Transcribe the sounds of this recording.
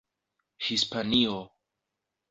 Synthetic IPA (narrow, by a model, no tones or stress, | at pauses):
hispanio